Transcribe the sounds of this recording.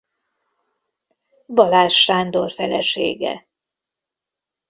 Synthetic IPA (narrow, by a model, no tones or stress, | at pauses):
bɒlaːʃːaːnd̪o̞rfɛlɛʃḛːɡɛ̰